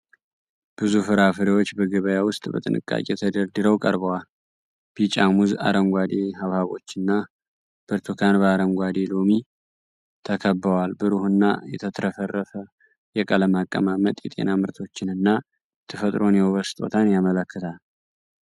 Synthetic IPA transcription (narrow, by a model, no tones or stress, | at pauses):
b̥ɨzufɨɾafɨɾiwo̞t͡ʃːbəɡəβəjawʊst̪ʼbə̰t̪ʼɨnɨ̰kʼːa̰kʼet̪ʰəd̪əɾd̪ɨɾəwkʼəɾbəwal | bit͡ʃʼamuza̰ɾəŋɡʷad̪e̞haβhaβo̞̰t͡ʃːɪnːa | b̥əɾt̪ʰokʰanbəaɾəŋɡʷad̪e̞lo̞mi | t̪ʰəkʰəbːəwalbɨɾuhɨnːa̰jɛt̪ʰət̪ʰɾəfərːəfə | jɛkʼələmakʼːə̰mamət̪ʼjɛt̪ʼe̞̰namɨɾt̪ʰo̞t͡ʃːɪnɨnːa | t̪ʰəfət̪ʼɾo̞njɛwoβəsɨ̥t̪ʼo̞̰t̪ʰanjamələkːɨt̪ʰal